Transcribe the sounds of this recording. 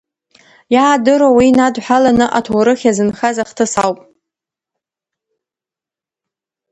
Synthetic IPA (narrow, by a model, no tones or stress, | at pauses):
jaːdɨɾowinadħʷalanɨʔatʰowɾɨχʲazɨnχazaχtʰɨsawpʼ